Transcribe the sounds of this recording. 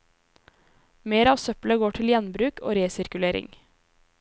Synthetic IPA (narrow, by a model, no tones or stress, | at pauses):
meːɾɑːʋsœpləɡoːʈʰɪljɛnbɾʉːkʰo̰ːɾeːsɪɾkʉleːɾɪ̰ŋ